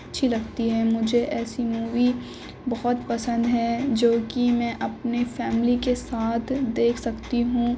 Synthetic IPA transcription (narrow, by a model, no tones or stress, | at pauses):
tːʃʰilɐɡt̪iɦɛmʊd͡ʒʱeʔɛːsimuːʋi | bɐɦɔt̪pɐsə̃nd̪ɦɛd͡ʒoːkimɛ̃ʔɐpnefɛːmlikesaːt̪ʰd̪eːkʰsɐkt̪iɦũː